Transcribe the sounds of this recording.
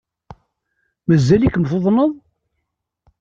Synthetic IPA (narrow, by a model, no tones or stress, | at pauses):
məzːælikːmθoðˤnəðˤ